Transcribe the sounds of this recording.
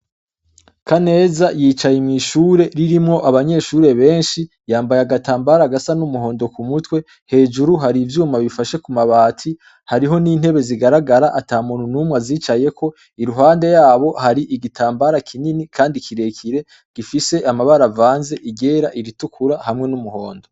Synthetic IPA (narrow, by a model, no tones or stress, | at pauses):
kʰane̞ːzajiːt͡ʃajimŋiʃuːɾe̞ɾiɾimŋo̞ʔaβaɲe̞ʃuɾe̞βe̞ːnʃi | jaːmbajaɡataːmbaɾaɡasanumuɦo̞ːndo̞kumutwe̞ | he̞ːd͡ʒuɾuɦaɾivjuːmaβifaʃe̞kumaβaːtʰi | haɾiɦo̞niːn̥he̞βe̞ziɡaɾaɡaɾaʔataːmununumŋaziːt͡ʃaje̞kʰo̞ | iɾuɦaːnde̞jaːβo̞haɾiʔiɡitʰaːmbaɾakʰininikʰaːndikʰiɾe̞kʰiɾe̞ | ɡ̥ifise̞ʔamaβaɾavaːnze̞ʔiɡe̞ɾaʔiɾitukuɾahamŋe̞numuɦo̞̰ːndo̞